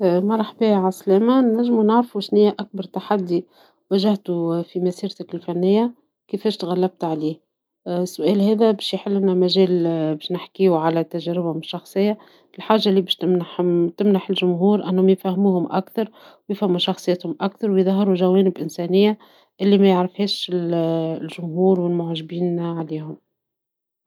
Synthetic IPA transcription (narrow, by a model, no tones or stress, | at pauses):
mɑɾˤɑħbiːʕaslɛːmænæʒːmunɪʕɾfuʃnɪjːaʔæk̚bɑɾˤt̪aħad̪ːi | wæʒaht̪ufimæsiːɾt̪ɪkɪlfænːɪjːa | kɪfɛːʃt̪ɣælːæb̚t̪ʕaliːh | sːʊʔɛːlɦɛːðæbɛːʃjħɪlːnæmæʒɛːlbɛːʃnɪħkiuʕalæt̪æʒæɾɪbhʊmɪʃːɑxsˤɨjːa | ɪlħaːʒːaʔliːbɛːʃt̪mnamt̪ɪmnaħɪlʒʊmɦuːɾʔænːhʊmjfæhmuːhʊmʔæ̰kθɑɾˤ | wjɪfhæmːuʃɑxsˤɨjːæːt̪hʊmʔakθɑɾˤwjðˤɑɦɑɾuʒæwɛːnɪbʔɪnsɛːnɪjːa | ʔɪlːimæjɪʕɾɪfhɛːʃɪllʒʊmɦuːɾwɪlmʊʕʒɪbiːnʕaliːhʊm